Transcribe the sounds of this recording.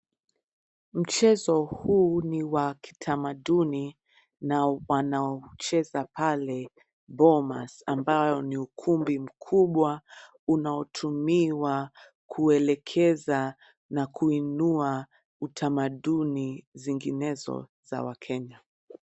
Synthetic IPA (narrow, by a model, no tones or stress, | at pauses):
m̩t͡ʃɛzɔhuːniwaki̥tʰamaɗuni | nawanaɔt͡ʃɛzapalɛ | bɔma̰sambajɔniukʰumbim̩kʰuɓwa | unaɔtʰumiwa | kʰuɛlɛkʰɛza | nakʰuinua | utʰamaɗuniziŋɡinɛzɔ̰z̥a̰wa̰kʰɛɲa